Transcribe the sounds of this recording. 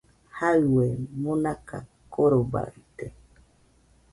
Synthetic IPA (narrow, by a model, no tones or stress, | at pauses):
hawemonaka̰koɾoba̰it̪e